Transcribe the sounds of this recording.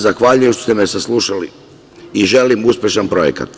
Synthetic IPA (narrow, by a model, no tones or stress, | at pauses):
zaxʋaʎujemʃt̪ost̪emesaslˠuʃali | iʒe̞limuspʲje̞ʃanpɾo̞jeka̰t̪